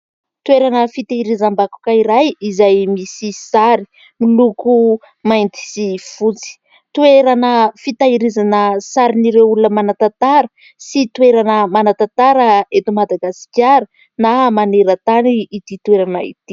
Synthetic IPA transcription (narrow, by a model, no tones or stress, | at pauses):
t̪weɾanəfit̪aiɾizambaku̥kaiɾajizajmisisaɾi̥ | miluku | majnt̪i̥sifut͡si̥ | t̪uweɾanəfit̪aiɾizanəsaɾiniɾewulunəmanat̪at̪aɾə | sit̪weɾanəmanat̪at̪aɾəet̪umad̪aɡasi̥kʲaɾə | namaneɾət̪aniːt̪it̪weɾanaḭt̪i